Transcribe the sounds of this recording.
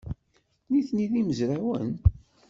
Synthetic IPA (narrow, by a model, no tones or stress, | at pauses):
niθniðiməzɾawə̰n